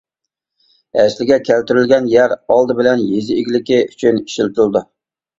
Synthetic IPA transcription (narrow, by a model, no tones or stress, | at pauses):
ɛʃlɪɡʲɛkʲʰælt̪yɾylɡʲɛnjæɾɑlˠd̪ɨbɪlɛnjezɪiɡʲilɪkʲiʔyt͡ʃʰyniʃil̚t̪ulˠd̪u